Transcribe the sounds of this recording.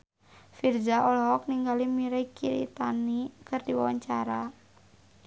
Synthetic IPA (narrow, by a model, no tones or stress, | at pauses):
fird͡ʒaʔɔlɦɔk̚niŋɡalimiɾaikiɾḭt̪anikɨrdiwawaɲt͡ʃaɾa